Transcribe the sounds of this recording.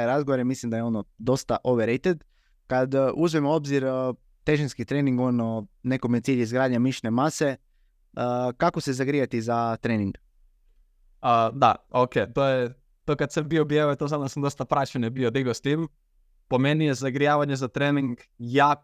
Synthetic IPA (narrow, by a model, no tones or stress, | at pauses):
eɾazɡoʋoɾemislimd̪ajeo̞nod̪o̞st̪aʔoʋeɾejt̪ed̪ | kad̪uzʋimoo̞bziɾ | t̪e̞ʒinskit̪ɾeniŋɡonone̞komijet̪siːʎizɡɾaːd̪ɲamiʃnemase̞ | kako̞se̞zaɡɾijat̪izat̪ɾeːniŋɡ̥ | əd̪a̰oket̪oːje | t̪okad̪sambiobjeʋojt̪ozad̪nasamd̪o̞st̪apɾat͡ʃenjebiod̪iɡost̪im | pomenijezaɡɾijaːʋaɲezat̪ɾeniŋɡjaː